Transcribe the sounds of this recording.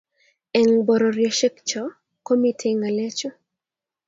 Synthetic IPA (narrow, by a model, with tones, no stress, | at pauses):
ɛ˨ŋbɔ˨ɾɔɾjɔʃɛ˦kt͡ʃɔ˦ | ko˦mitʰeŋale˦t͡ʃo˦